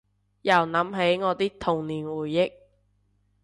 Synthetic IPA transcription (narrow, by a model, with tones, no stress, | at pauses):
jɐ˨˩wnɐ˨˥mɦe˨˥jŋɔː˨˧t̪iː˥k̚t̪ʰʊ˨˩ŋniː˨˩nwuː˨˩jːɪ˥k̚